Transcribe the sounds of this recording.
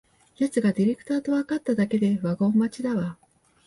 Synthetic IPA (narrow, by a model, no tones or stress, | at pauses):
jat͡sɨɡad̪ʲiɾe̞kɯ̥t̪aːt̪o̞βakat̪ːad̪ake̞d̪e̞βaɡo̞ːmat͡ɕid̪aβa